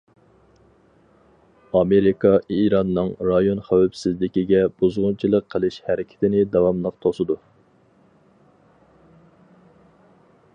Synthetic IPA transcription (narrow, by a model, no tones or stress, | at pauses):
ɑmeɾikʰɑiɾɑnːɨŋɾɑjonχæwæpsɪzlɪkʲiɡʲɛb̥uzʁʊnt͡ʃʰilˠəqʰːəlˠɨʃhæɾɪkʲʰɪ̥t̪ʰɪnɪd̪ɑwɑmlˠəq̚t̪ʰosɨd̪u